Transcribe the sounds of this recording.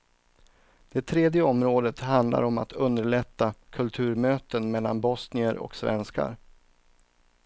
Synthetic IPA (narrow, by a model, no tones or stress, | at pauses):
d̪̥ɛt̪ʰɾeːd̪jəɔmɾoːd̪ət̪ɦand̪la̰ɾɔma̰t̪ʰɵnd̪əɭɛt̪ːakʰɵlt̪ʰʉ̟ːɾmøːt̪ənmɛlːa̰nbɔsnɪəɾɔ̰ksvɛ̰nska̰ɾ